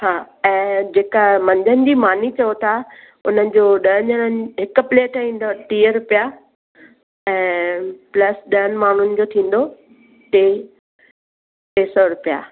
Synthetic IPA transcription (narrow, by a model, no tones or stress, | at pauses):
haː | ɛ̃ːd͡ʑeːkamɐ̃ɲd͡ʑənɪ̆d͡ʑiːmaːnit͡ɕɐjot̪ʰa | ʊn̤ənɪ̆d͡ʑoːɗɐɦənd͡ʑəɽənɪ̆ɦɪkʊ̆pleːʈĩːnd̪oʈiːəɾʊpija | ɛ̃ːplɐsɗɐənɪ̆maːɳ̤ʊnɪ̆d͡ʑoːt̪ʰĩːn̆d̪o | ʈeː | ʈeːsɔɾʊpija̰ː